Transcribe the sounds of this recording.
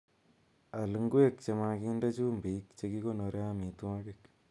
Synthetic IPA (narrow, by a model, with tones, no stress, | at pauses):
a˨lɨ˧˦ŋɡwe˦kt͡ʃe˧ma˧ki˦nda˦t͡ʃu˦mbi˨˦k̚t͡ʃe˧ki˦ko˦no˨˧ɾja˦mi˨tu˦a˦kɪ˨k